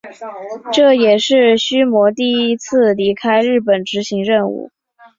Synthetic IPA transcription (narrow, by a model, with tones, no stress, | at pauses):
ʈ͡ʂɤ˥˩jɛ˨˩ʂɻ̩˥˩ɕy˥mwɔ˧˥t̪i˥˩i˥t͡sʰɹ̩˥˩li˧˥kʰa˥ɪɻɻ̩˥˩pə˨˩nʈ͡ʂɻ̩˧˥ɕi˧˥ŋɻə˥˧nṵ˥˩